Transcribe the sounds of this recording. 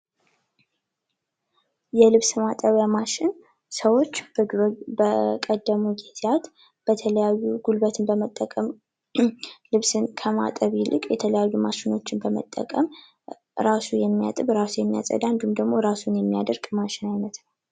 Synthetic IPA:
jɛlɨβsmat̪ʼəβjamaʃɪn | səwo̞t͡ʃːbəbəkʼəd̪ːəmuɡet̪ʰjat̪ | b̥ət̪ʰələjajːuɡ̥ulbət̪ʰɨnbəmət̪ʼːəkʼəm | lɨβsɨnkʰəma̰t̪ʼəβilʔɨkʼjɛt̪ʰələjajːumaʃɪno̞t͡ʃːɪnbəmə̰t̪ʼːə̰kʼəm | ɾasujɛmːija̰t̪ʼɨβɾasujɛmːija̰sʼə̰d̪and̪umd̪əɡmo̞ɾasunjɛmːijad̪əɾɡmaʃɪnajnət̪nəw

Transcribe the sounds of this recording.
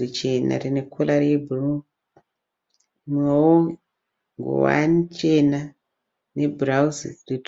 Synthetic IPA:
it͡ʃena̰rine̞kʰolaɾebʱuru | mowo | ŋɡo̰wa̰nt͡ʃe̞na | ne̞burauzirit

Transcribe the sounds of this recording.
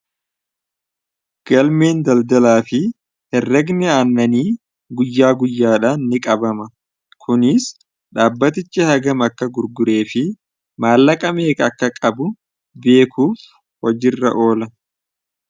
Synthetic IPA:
ɡ̥ɐlme̞ːnd̪ɐld̪ɐlaːfɪ | hɛrːɐɡnɛaːnːɐniː | ɡʊjːaːɡʊjːaːᶑaːnːɪkʼɐbɐmɐ | kʰʊnɪs | ᶑaːbːɐt̪̬ɪt͡ʃːɪhɐɡɐmɐkːɐɡʊɾɡʊɾe̞ːfɪ | maːlːɐkʼɐme̞ːkɐɐkːɐkʼɐbʊ | be̞ːkuːf | hɔd͡ʒɪrːɐ̰ʔo̞ːlɐ

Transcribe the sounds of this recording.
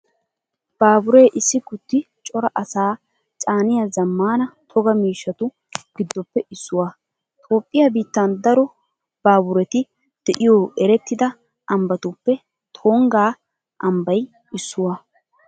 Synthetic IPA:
b̥aːbʊɾe̞ːʔɪsːɪɡʊt̪ːɪ | t͡ʃʼɔɾɐʔɐsaː | t͡ʃʼaːnɪjazɐmːaːnɐt̪ʰɔɡɐmiːʃːɐt̪ʊ | ɡ̥ɪd̪ːɔpːɛɪsːʊwa | t̪ʼo̞ːpʼːɪjabiːt̪ːɐnd̪ɐɾɔ | b̥aːbʊɾɛt̪ɪ | d̪̥ɛʔɪjoːʔɛɾɛt̪ːɪd̪ɐ | ʔɐmbɐt̪ʊpːɛ | t̪ʰo̞ːŋɡaː | ʔɐmbɐj | ɪsːʊwaː

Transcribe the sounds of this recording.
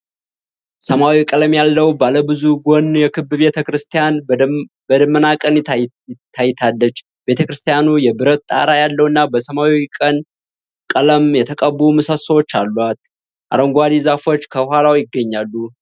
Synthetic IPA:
səmawikʼələmjalːəwbaləbɨzuɡo̞nːjɛkʰɨbɨbe̞t̪ʰəkɾɨst̪ʰijan | bəd̪əmːənakʼən | t̪ʰːajːɪt̪ʰalːət͡ʃː | be̞t̪ʰəkɾɨst̪ʰijanujɛbɨɾət̪t̪ʼa̰ɾajalːəwɨnːabəsəmawiikʼən | kʼələmjɛt̪ʰəkʼəbumɨsəsəwot͡ʃːalːat̪ | ʔa̰ɾəŋɡʷad̪izafo̞t͡ʃːkʰəhalawjɪɡːəɲːalːu

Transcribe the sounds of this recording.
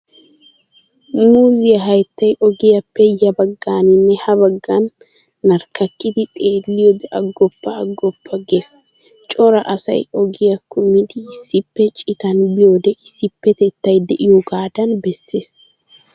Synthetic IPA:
muːzɪjɐɦɐjt̪ːɐjʔɔɡɪjɐpːɛjɐbɐɡːaːnɪnːɛhɐbɐɡːɐnː | ɐɾkɐkːɪd̪ɪt̪ʼe̞ːlːɪjɔb̪ɛʔɐɡːɔpːɐːɡːɔpːɐɡes | t͡ʃʼɔɾɐʔɐsɐ̰jʔɔɡɪjɐkːʊmːɪd̪ɪːsːɪpːɛt͡ʃʼɪt̪ɐnbɪjoːd̪ɛʔɪsːɪpːɛt̪ɛt̪ːɐjd̪ɛʔɪjɔɡaːd̪ɐnbɛsːe̞ːs

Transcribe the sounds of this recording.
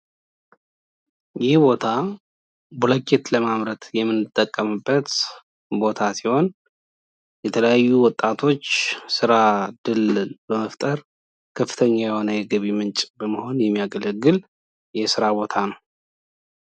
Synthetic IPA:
jɪhbo̞t̪ʰa | buləkːet̪ləmaβɾət̪jɛmːɨnːɨt̪ʼːəkʼːəmɨbːət̪ | bo̞t̪ʰasiho̞n | jɛt̪ʰələjajːuwɔt̪ʼːat̪ʰo̞t͡ʃːsɨɾad̪ɨlbəməft̪ʼəɾ | kʰəfːɨ̥t̪ʰəɲːajɛho̞nəjɛɡəβimɨnt͡ʃʼbəməho̞njɛmːijaɡələɡːɨl | jɛsɨɾaβo̞t̪ʰanəw

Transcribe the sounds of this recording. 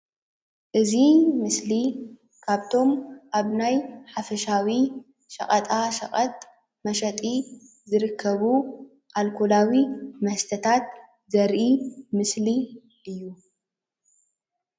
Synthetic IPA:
ʔɨzimɨsli | kʰaβt̪ʰo̞mʔaβnajħafɐʃawi | ʃɐ̰χʼɐt̪ʼaʃɐ̰χʼɐt̪̚ʼ | mɐʃɐt̪ʼi | zɨɾɨkʰːɐβu | ʔalkʰolawimɐhst̪ʰɐt̪ʰat̪̚ | zɐɾʔimɨsli | ʔɨjːu

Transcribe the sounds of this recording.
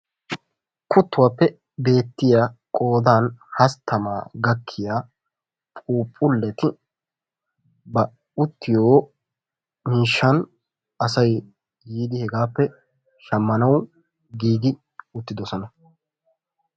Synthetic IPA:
kʰʊt̪ːʊwaːpːɛ | be̞ːt̪ːɪjakʼo̞ːd̪aːnhɐst̪ʰːɐmaːɡɐkʰːɪjaː | pʼuːpʼːʊlːɛt̪ɪ | bɐ | ʊt̪ːɪjoː | miːʃːɐn | ɐsɐj | jiːd̪ɪhɛɡaːpːɛ | ʃɐmːɐnɐw | ɡiːɡ̪ɪ | ʊt̪ːɪd̪ɔsɔnɐ

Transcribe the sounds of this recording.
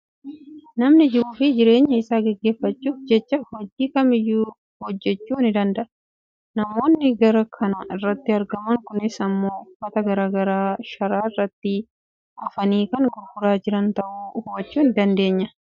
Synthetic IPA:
nɐmnɪd͡ʒɪɾuːfɪd͡ʒɪɾe̞ːɲːɐɪsaːɡɛɡːe̞ːfːɐt͡ʃːuːfd͡ʒɛt͡ʃːɐhɔd͡ʒiːkɐmɪjːuː | hɔd͡ʒːɛt͡ʃːuːnɪd̪ɐnd̪ɐʔɐ | nɐmo̞ːnːɪɡɐɾɐkʰɐnɐɪrːɐt̪ːɪɐɾɡɐmɐŋkʊnɪsɐmːo̞ːfɐt̪ɐɡɐɾaːɡɐɾaːʃɐɾaːɪrːɐt̪ːɪ | ɐfɐniːkɐnɡʊɾfʊɾaːd͡ʒɪɾɐnt̪ɐʔuːhʊbɐt͡ʃːuːnd̪ɐnd̪e̞ːɲːɐ

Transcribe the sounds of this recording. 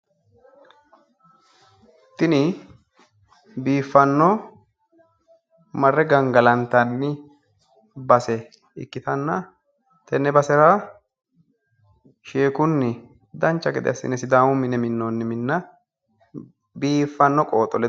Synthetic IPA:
t̪ɪnɪ | biːfːɐnːɔ | mɐrːɛɡɐŋɡɐlɐnt̪ːɐnːɪ | bɐsɛ | ɪ̰kːɪt̪ɐnːɐ | t̪ɛnːɛbɐsɛɾaː | ʃeːkʊnːɪ | d̪ɐnt͡ʃːɐɡɛd̪ɛ̰ɐsːɪ̰nɛsɪd̪aːmʊmɪnɛmɪnːonːɪmɪnːɐ | biːfːɐnːɔkʼoːt̪ʼːɔlɛ

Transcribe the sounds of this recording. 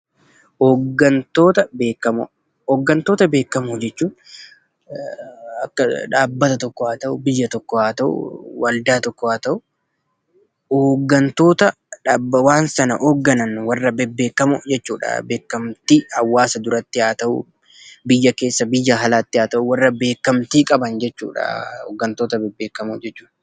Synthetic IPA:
oɡːɐnt̪o̞ːt̪ɐbe̞ːkːɐmʊ̰ | ɔːɡːɐnt̪o̞ːt̪ɐbe̞ːkːɐmʊd͡ʒɛt͡ʃːuː | ɐkːɐᶑaːbːɐt̪ɐt̪ɔkːɔaːt̪ɐʔʊbɪjːɐt̪ɔkːɔaːt̪ɐʔʊ̰wɐld̪aːt̪ɔkːɔhaːt̪ɐʔʊ | hoːɡːɐnt̪o̞ːt̪ɐ | ᶑaːbːɐwaːnsɐnɐʔoːɡːɐnɐnwɐrːɐbɛbːe̞ːkːɐmʊd͡ʒɛt͡ʃːuːᶑɐ̰be̞ːkːɐmt̪iɐwːaːsɐd̪ʊɾɐt̪ːɪaːt̪ɐʔʊ̰ | bɪjːɐke̞ːsːɐbɪjːɐɦɐlaːt̪ːɪaːt̪ɐʔʊwɐrːɐbe̞ːkːɐmt̪iːkʼɐbɐnd͡ʒɛt͡ʃːṵːᶑɐ̰ho̰ːɡːɐnt̪oːt̪ɐbɛbːe̞ːkːɐmud͡ʒɛt͡ʃːuːᶑ

